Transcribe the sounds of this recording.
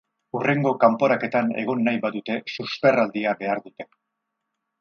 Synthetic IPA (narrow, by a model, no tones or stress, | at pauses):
ure̞ŋɡo̞kampo̞ɾake̞t̪ane̞̰ɣ̞o̞nːajβaðut̪e̞suspe̞rald̪iabe̞aɾðut̪e̞